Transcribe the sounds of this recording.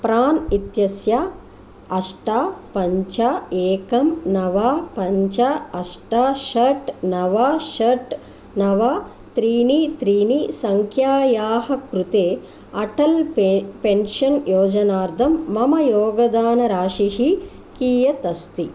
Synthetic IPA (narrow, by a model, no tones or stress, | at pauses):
pɾaːnit̪jɐsja | ɐʂʈaːpɐɲt͡ʃaeːkɐmnɐʋaːpɐɲt͡ʃɐɐsʈaːʃɐʈnɐʋaːʃɐʈ | nɐʋaː | t̪ɾiːnit̪ɾiːnisɐŋkʰjaːjaːɦɐkɾut̪eː | ɐʈɐlpenʂɐnjoːd͡ʒɐnaːɾd̪ʱɐmːɐmɐjoːɡɐd̪aːnɐɾaːʂihi | kiːjɐt̪ɐst̪i